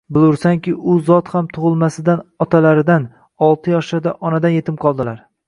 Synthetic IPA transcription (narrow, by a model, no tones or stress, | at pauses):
bɪlˠʊɾsaŋkʲɪʔʊzɒt̪hamt̪ʰʊʁɨlˠmasɪd̪anɒt̪ʰalaɾɪd̪an | ɒlˠt̪ʰɪjɒʃaɾd̪aʔɒnad̪anje̞t̪ʰɪmqʰɒlˠd̪ɪlaɾ